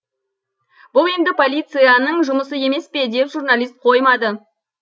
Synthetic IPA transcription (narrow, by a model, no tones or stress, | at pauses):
bʊlˠe̞nd̪ɪpʰo̞lʲijt̪sɨjanəɴʒʊməsəe̞me̞spe̞d̪e̞pʒurnalʲist̪̚qʰo̞jmɑd̪ə